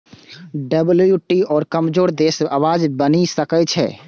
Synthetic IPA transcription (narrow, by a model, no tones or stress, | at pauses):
ɖəbljuʈiɔːɾkəmd͡ʒoːɾd̪eːsaʋaːd͡ʒbənisəkət͡ʃʰɛ̰ː